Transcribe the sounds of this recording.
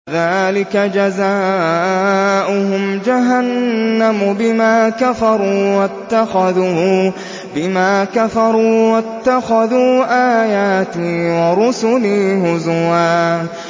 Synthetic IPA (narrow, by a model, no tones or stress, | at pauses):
ðaːlɪkad͡ʒazaː | ʔʊhʊmd͡ʒaɦanːamʊbɪmaːkafɑɾˤuːwat̪ːaxaðuː | bɪmaːkafɑɾˤuːwat̪ːaxaðuːʔaːjaːt̪iːwɑɾʊsʊliːhʊzʊwaː